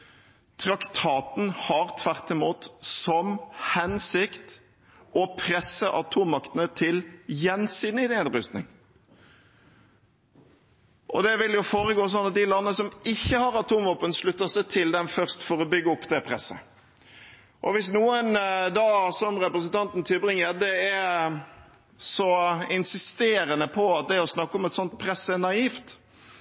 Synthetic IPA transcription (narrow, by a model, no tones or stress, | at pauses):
t̪ʰɾɑkt̪ʰɑːt̪n̩hɑʁt̪ʰʋæʁt̪ɪmuːt̪sɔmhɛnsɪkt̪ | ɔpʰɾɛsːəʔɑt̪ʰuːmːɑkt̪ənət̪ʰɪljɛnsiːd̪nɪd̪eːd̪ɾʉst̪nɪ̰ŋ | ʔɔ̰d̪ɛʋɪljʊfoːɾəɡoːs̬ɔnːɑt̪̚d̪ɪlɑnːəsɔmɪçːəhɑɾɑt̪ʰuːmʋɔpːənsɭʉt̪ːəsɛt̪ʰɪld̪ɛnfœʁst̪fɔɾɔbʏɡːəɔpːd̪ɛpʰɾɛsːə̰ | ʔɔʋɪs̬nuːənd̪ɑːsɔmɾɛpɾəs̬ənt̪ʰɑnt̪n̩t̪ʰɪlbɾɪŋːəɾd̪ɛɛ | sɔɪnsɪst̪eːɾənəpʰɔɑt̪̚d̪ɛɔsnɑkːəɔmɛt̪sɔnt̪̚pʰɾɛsːənɑiːft̪